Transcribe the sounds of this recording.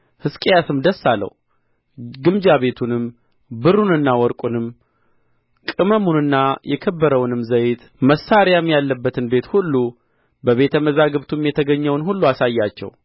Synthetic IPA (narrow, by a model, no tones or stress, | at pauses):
hɨskʼejasɨmd̪əsːalːə̰w | ɡɨmd͡ʒaβe̞t̪ʰunɨm | bɨɾunɨnːawɔɾkʼunɨm | kʼɨməmunɨnːajʔɛkʰəbːəɾəwnɨmzəjt̪ | məsːaɾjamjalːəbːət̪ɨnbe̞t̪hulːu | bəβe̞t̪ʰəməzaɡɨβt̪ʰumjɛt̪ʰəɡəɲːɛwnɦulːuasajːat͡ʃːɛ̰w